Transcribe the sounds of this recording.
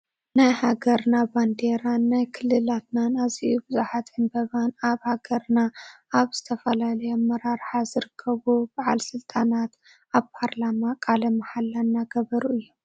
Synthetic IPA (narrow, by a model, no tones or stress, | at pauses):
najhaɡɐɾnaband̪eɾanːajkʰɨlːɨlat̪nanaziʔubɨzuħat̪ɨnbɐβanaβhaɡɐɾnaʔaβz̥ɨt̪ʰɐfɐlalɐjomːɐɾaɾħazɨɾɨkʰːɐβub̥aʕa̰lsɨlt̪ʼanat̪ | ʔaβpʰaɾlamakʼalɐmaħalːanːaɡɐβɐɾuʔɨjːu